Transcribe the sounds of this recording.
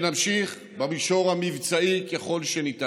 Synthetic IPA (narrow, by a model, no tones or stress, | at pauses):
namʃiχ | bamiʃo̞ʁamivt͡saikeχo̞lʃenita